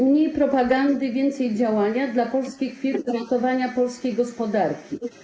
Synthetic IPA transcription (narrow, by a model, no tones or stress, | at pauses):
ɲipɾɔpaɡand̪ɘvʲjɛnt̪sɛjd͡ʑawaɲad̪lapɔlskʲixfʲjɛt̪ɾɔt̪ɔvaɲapɔlskʲejɡɔspɔd̪aɾkʲi